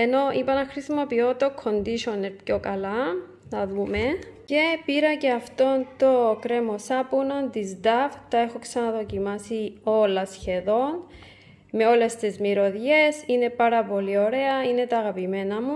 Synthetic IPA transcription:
eno̞ʔipɐnɐxɾisimo̞piot̪okʰːo̞nd̪iʃonepço̞kɐla | nɐðume̞ce̞piɾɐce̞ɐft̪o̞nt̪o̞kɾemo̞sapunond̪izd̪aft̪ɐexo̞ksɐnɐðo̞cimasio̞lɐsçe̞ðo̞n | me̞o̞le̞st̪ezmiɾo̞ðʝe̞sine̞paɾɐpo̞lio̞ɾe̞ɐine̞t̪aːɣɐpimenɐmu

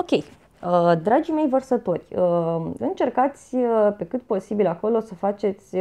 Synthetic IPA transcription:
okʲe̞j | əd̪ɾad͡ʒime̞jvərsət̪o̞rʲəɨnt͡ʃe̞rkat̪sʲəpe̞kɨt̪̚po̞sibilako̞lo̞səfat͡ʃe̞t̪sʲ

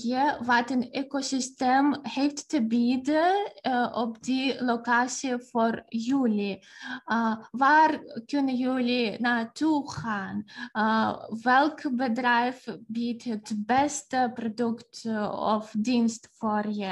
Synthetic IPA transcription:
jəʋatənekosɪstemheftːəbidəʔɔp̚dilokaːsiəforjyːli | ʋaːrkʏnəjyːlinaːtuχaːn | ʋɛlˠkbədrɛjfbitɦətbɛstəprodʏktɔ̰fdinstforjə

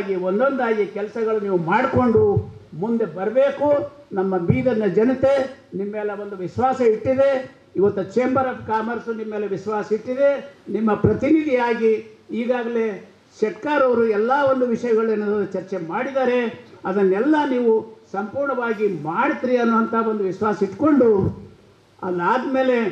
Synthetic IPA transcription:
ɡiond̪o̞nd̪aːɡikɛlɐsɐɡɐɭuniːʋumaːɽko̞ɳɖumund̪e̞bɐɾɐbeːku | nɐmːɐbiːd̪ɐnːɐd͡ʒɐnɐt̪e̞nimːeːlɐʋond̪uʋiʃʋaːsɐiʈːid̪e̞ | iʋɐt̪ːut͡ʃeːmbɐɾɐːbkaːmɐɾsunimːeːleʋiʃʋaːsɐiʈːid̪e̞nimːɐpɾɐt̪inid̪ʱiaːɡiiːɡaːɡɐle̞ | ʃɛʈkaːɾɐʋɾuɛlːaːo̞nd̪uʋiʂɐjɐɡɐɭenːɐɐɐt͡ʃɐɾt͡ʃemaːɽid̪aːɾe̞ɐd̪ɐnːɛlːɐniːʋusɐmpuːɾɳɐʋaːɡimaːɽit̪ɾiɐnːuɐnt̪ʰɐond̪uʋiʃʋaːsɐiʈko̞ɳɖu | ɐ̰laːd̪ɐme̞ːle̞

